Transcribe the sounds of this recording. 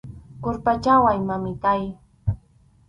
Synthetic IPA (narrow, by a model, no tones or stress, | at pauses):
kʊɾpat͡ʃawajmamɪkaj